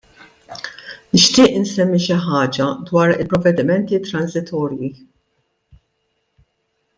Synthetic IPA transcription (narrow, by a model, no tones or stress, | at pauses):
nɪʃt̪ɪːʔnsɛmːiʃɪħɐːd͡ʒɐd̪wɐːɾɪlpɾɔvːɛd̪ɪmɛnt̪it̪ɾɐnzɪt̪ʰɔːɾji